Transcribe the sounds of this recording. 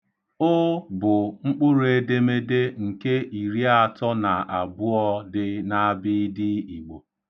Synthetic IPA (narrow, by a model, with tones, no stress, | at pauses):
ʊ˦bʊ˨ŋ͡m̩˦k͡pʊ˦ɾʊ˦e˦de˦me˦de˦ŋ̩˨ke˦ʔi˨ɾi˦a˦˨tɔ˦na˨ʔa˨bʊ˦ɔ˦dɪ˦na˦bɪ˦dɪ˦i˨ɡ͡bo˨